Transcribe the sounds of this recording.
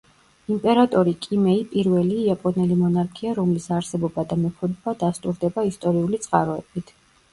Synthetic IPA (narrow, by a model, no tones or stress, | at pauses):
impʼɛɾat̪ʼɔɾikʼimɛipʼiɾvɛliːapʼɔnɛlimɔnaɾkʰiaɾɔmlisaɾsɛbɔbad̪amɛpʰud̪bad̪ast̪ʼuɾd̪ɛbaist̪ʼɔɾiulit̪sʼqʼaɾɔɛbit̪ʰ